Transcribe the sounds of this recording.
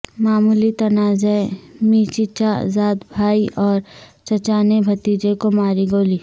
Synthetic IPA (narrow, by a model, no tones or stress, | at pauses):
maːmuːlit̪ɐnaːzemiːt͡ʃit͡ʃa̰zaːd̪bʱaːiʔɔːɾt͡ʃɐt͡ʃaːnebʱɐt̪iːd͡ʒekomaːɾiɡoːliː